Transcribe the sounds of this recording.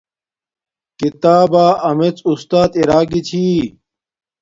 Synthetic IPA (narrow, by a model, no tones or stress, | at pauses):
kit̪aːbaːɐmet͡sust̪aːt̪iɾaːɡit͡ɕʰiː